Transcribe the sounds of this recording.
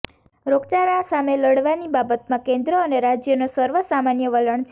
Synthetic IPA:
ɾoɡt͡ʃaɾãsameləɽʋanibabət̪mãkẽnd̪ɾəəneɾad͡ʒjənosəɾʋəsamanjəʋələɳt͡ʃʰ

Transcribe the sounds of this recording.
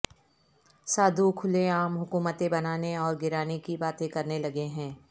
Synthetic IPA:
saːd̪ʱukʰʊlẽaːmɦʊkuːmət̪ẽbɐnaːneɔːɾɡɪɾaːnikibaːt̪ẽkɐɾnelɐɡeɦɛ̃ː

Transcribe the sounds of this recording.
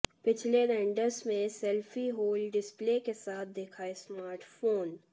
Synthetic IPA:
pɪt͡ʃʰleɾɛ̃ːɳɖəɾsmẽsɛlfiɦoːlɖɪspleːkesaːt̪̚ʰd̪eːkʰaesmaːɾʈfʰoːn

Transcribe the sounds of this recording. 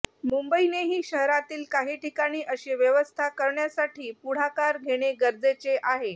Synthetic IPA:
mumbəineɦiːɕəɦɾat̪iːlkaɦiːʈʰikaɽ̃iːʔəɕeʋjəʋəst̪ʰakəɾɳjasaʈʰiːpuɽ̤akaɾɡʱeɽ̃eɡəɾd͡zet͡seʔaɦe

